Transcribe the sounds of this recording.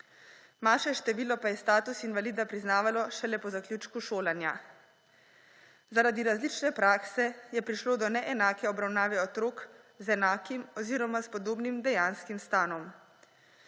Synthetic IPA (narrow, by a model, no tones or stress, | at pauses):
maːʃɛʃt̪ɛʋiːlɔpajɛst̪aːt̪usinʋaliːd̪apɾiznaːʋalɔʃɛlɛpɔzaklʲjuːt͡ʃkuʃoːlanja̰ | zaɾad̪iɾazlit͡ʃnɛpɾaːksɛjɛpɾiʃloːd̪ɔnɛʔɛnaːkɛɔbɾawnaːʋɛɔt̪ɾoːk | zɛnaːkimɔziːɾɔmaspɔd̪oːbnimd̪ɛjanskimst̪aːnɔm